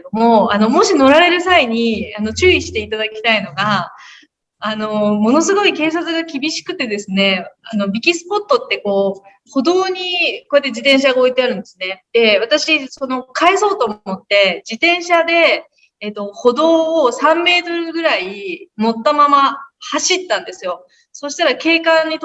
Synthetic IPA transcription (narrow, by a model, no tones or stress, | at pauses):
d̪omo̞ano̞mo̞ɕino̞ɾaɾe̞ɾɯ̟saiɲ̟iano̞t͡ɕɨːiɕi̥t̪e̞it̪ad̪akʲi̥t̪aino̞ɡa | no̞mo̞no̞s̬ɨɡo̞ike̞ːs̬at͡sɨɡakʲibʲiɕi̥kɯ̟t̪e̞d̪e̞sɨne̞ano̞bʲikʲisɨ̥po̞t̪ːo̞t̪ːe̞ko̞ː | ho̞d̪o̞ːɲ̟iko̞jat̪ːed͡ʑit̪ẽɰ̃ɕaɡao̞it̪e̞aɾɯ̟̃nd̪e̞sɨne̞d̪̥e̞β̞at̪aɕiso̞no̞kʰae̞so̞ːt̪oːmo̞t̪ːe̞d͡ʑit̪ẽ̞ɰ̃ɕad̪e̞ː | t̪ːo̞ho̞d̪o̞ːsãmːe̞ːt̪o̞ɾɯ̟ɡɯ̟ɾaimo̞t̪ːamamahaɕit̪ːãnd̪e̞sɨjo̞ | so̞ːɕi̥t̪aɾake̞ːkãɲ̟ːit̪